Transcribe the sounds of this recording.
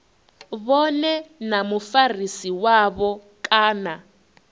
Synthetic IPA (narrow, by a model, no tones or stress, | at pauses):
βɔnɛnamufarisiwaβɔ | kʼaːna